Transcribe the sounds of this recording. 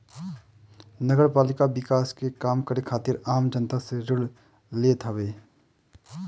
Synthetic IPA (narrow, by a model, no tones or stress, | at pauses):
nəɡəɾpaːlɪkabɪkaːskekaːmkəɾekʰaːt̪ɪɾaːmd͡ʒənt̪aseɾʊɽ | leːt̪ʰaʋeː